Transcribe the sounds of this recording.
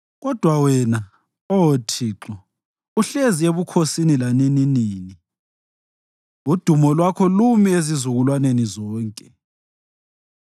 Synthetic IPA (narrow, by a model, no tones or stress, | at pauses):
ɣɔd̥ʱwawɛna | ootʰiːǁɔ | uɬezieβukʰosinilanininiːni | ud̥ʱumɔlwakʰɔlumiezizuɣulwanenizɔːŋkʼɛ